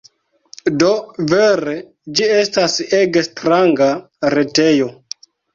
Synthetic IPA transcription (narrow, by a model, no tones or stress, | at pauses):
do̞veɾe | d͡ʒie̞staseɡestɾaŋɡa | ɾe̞te̞jo̞